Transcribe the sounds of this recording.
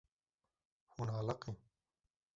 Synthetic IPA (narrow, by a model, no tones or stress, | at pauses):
hunaːlɐqi